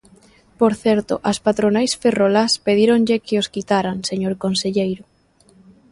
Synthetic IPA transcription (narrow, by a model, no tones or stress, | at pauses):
poɾθɛɾt̪o̰ʔaspat̪ɾonajsferolaspeð̞iɾoŋʎekɪoskit̪aɾaŋseɲoɾkonseʎejɾʊ